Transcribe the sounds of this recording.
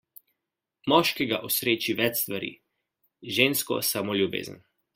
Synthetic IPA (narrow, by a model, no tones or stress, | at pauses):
mɔʃkɛɡaʔɔsɾeːt͡ʃiʋɛt͡ʃst̪ʋaɾḭː | ʒeːnskɔ̰samoljubḛːzə̰n